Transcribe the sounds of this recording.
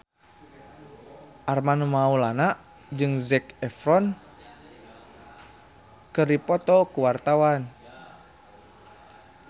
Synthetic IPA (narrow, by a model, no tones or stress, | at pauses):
ʔarmanumaulanaʔ | d͡ʒɨŋzɛkɛfɾɔn | kɨrdipɔt̪ɔkuwart̪awan